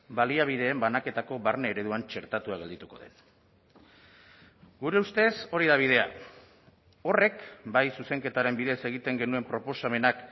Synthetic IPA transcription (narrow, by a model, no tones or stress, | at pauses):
baliaβ̞iðe̞ːmbanake̞t̪ako̞βaɾne̞ːɾe̞ðuant͡ʃe̞ɾt̪at̪uaɣed̪it̪uko̞ðe̞̰n | ɡuɾe̞ust̪e̞so̞ɾiðaβ̞iðe̞a̰ | o̞re̞kbajsuse̞ŋke̞t̪aɾe̞mbiðese̞ɣ̞it̪e̞ŋɡe̞nue̞mpɾo̞po̞same̞nak